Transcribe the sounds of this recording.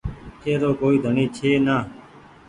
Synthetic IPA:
t͡ʃeːɾoːkoːiːd̪ʱəɳĩːt͡ʃʰeːnaː

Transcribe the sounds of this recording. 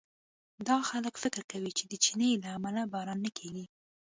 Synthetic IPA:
d̪ɑxaləkfɪkɾkawit͡ʃed̪ət͡ʃinəjlaːmalabɑɾɑnːakʰeɡi

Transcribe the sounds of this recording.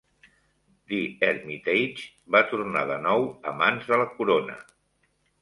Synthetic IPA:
d̪iɛɾmit̪ejt͡ʃ | bat̪urnaðənɔwəmanzðələkuɾonə̰

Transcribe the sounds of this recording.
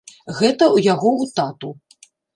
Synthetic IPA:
ɣɛt̪ɐujaɣɔut̪at̪u

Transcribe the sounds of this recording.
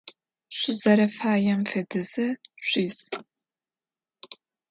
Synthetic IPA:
ɕʷʊzɐɾɐfaːjɐmfɐdɨzɐɕʷiːs

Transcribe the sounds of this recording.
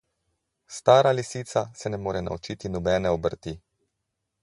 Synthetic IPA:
st̪aːɾalisiːt̪sasɛnɛmoːɾɛna̰ut͡ʃit̪inɔbɛːnɛɔbəɾt̪i

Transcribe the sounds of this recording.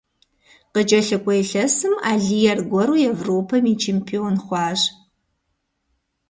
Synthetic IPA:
qət͡ʃʼɐɬɨkʷʼɔjɬɐsɨmaːɮijɛrɡʷɔɾuːjɛvroːpʰɐmit͡ʃʰeːmpʰioːnχʷɑːʒ

